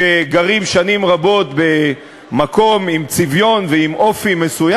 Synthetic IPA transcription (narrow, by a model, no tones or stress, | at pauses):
eɡaʁimʃanimʁabo̞t̪be̞ | mako̞mimt͡sivjo̞nveimofime̞suja